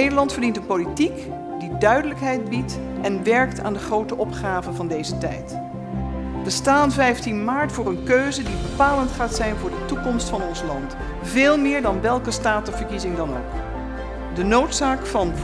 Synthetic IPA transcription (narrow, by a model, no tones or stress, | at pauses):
ejdəlɑntfəɹdintənpolitik | didœɥdələkɦɛjd̚bit | ɛnʋɛɹkta̰ːndəχrowtəʔɔpχaːvəvɑndejzətɛ̰jt | bəstaːnvɛjftinmaːɹtfʊːrənkøɥzədibəpaːləntχaːtsɛjnvʊːɹdətukɔmstfɑnɔnslɑnt | vɪːlˠmɪːɹdɑnʋɛlˠkəstaːtəv̥əɹkizɪŋdɑno̰wk | dənowtsaːkfɑn